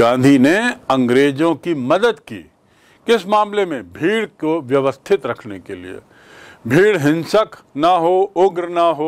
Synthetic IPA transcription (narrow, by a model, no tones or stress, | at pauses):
ɡãːnd̪ʱineɐ̃ŋɡɾeːd͡ʒõkimɐd̪əd̪kḭː | kɪsmãːmlemẽbʱiːɽkoʋjɐʋəst̪ʰɪt̪ɾɐkʰnekelḭḛ | bʱiːɽɦɪ̃nsəknaɦoʊɡɾnaɦoː